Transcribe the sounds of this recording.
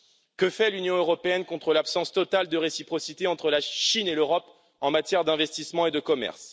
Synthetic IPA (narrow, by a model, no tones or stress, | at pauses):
kəfɛlynjɔ̃øʁɔpeɛnkɔ̃t̪χəlapsɑ̃st̪ɔt̪ald̪əʁesipχɔsit̪eɑ̃t̪χəlaʃineløʁɔp | ɑ̃mat̪jɛʁd̪ɛ̃vɛst̪ismɑ̃ed̪əkɔmɛ̰ʁs